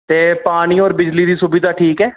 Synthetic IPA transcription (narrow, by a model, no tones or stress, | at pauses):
t̪eːpaːɽ̃iːɔːɾbɪd͡ʒliːd̪iːsʊbiːd̪aːʈʰiːkɛː